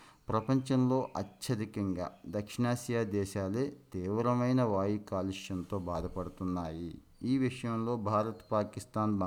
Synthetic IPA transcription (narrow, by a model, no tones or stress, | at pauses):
pɾɐpɐɲt͡ʃɐmlo̞ːʔɐt͡ʃːɐɾikɐŋɡa̰ːd̪ɐkʂiɳaːsjaːd̪ɛːʃaːleːt̪iːʋɾɐmɐjnɐʋaːjikaːliʂjɐnt̪o̞ːbaːd̪ʱɐpɐɽut̪unːaːji | iːʋiʂɐjɐmlo̞ːbʱaːɾɐt̪paːkist̪aːnb